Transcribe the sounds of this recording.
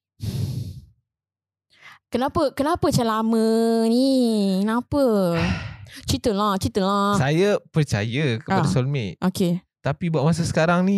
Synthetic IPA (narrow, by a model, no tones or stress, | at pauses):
kənapəkənapət͡ʃalamə̃nikənapə | t͡ʃit̪əlaht͡ʃit̪əlassajapərt͡ʃa̰jəkəpadasɔlmɛʔʔoke | t̪apibuaʔmas̬əsə̥kaɾaŋni